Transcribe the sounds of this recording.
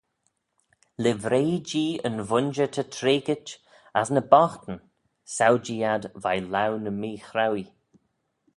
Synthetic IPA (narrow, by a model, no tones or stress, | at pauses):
lɪvɾeːd͡ʒiːənvʊnd͡ʒət̪ʰətʰɾeːɡɪt͡ʃ | asnəbɔxt̪ən̩ | sawd͡ʒiːadvajlawnəmiːxɾawi